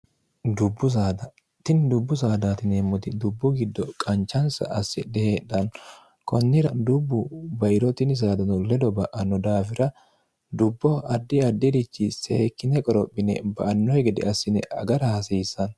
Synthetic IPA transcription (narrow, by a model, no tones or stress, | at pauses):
d̪ʊbːʊs̬aːd̪ɐ | t̪ɪnd̪ʊbːʊs̬aːd̪aːt̪ɪnemːɔt̪ɪd̪ʊbːʊɡɪd̪ːɔkʼɐnt͡ʃːɐnsɐ̰ʔɐsːɪd̪ɛheːᶑɐn | kɔnːɪɾɐd̪ʊbːʊbɐʔɪɾɔt̪ɪnɪs̬aːd̪ɐnɔlɛd̪ɔbɐʔɐnːɔd̪aːfɪɾɐ | d̪ʊbːɔɐd̪ːɪɐd̪ːɪd̪ɪt͡ʃːɪseːkːɪnɛkʼɔɾɔpʼːɪnɛ̰bɐ̰ʔɐnːɔjɡɪd̪ɛ̰ɐsːɪnɛʔɐ̰ɡɐɾɐhɐsiːsːɐn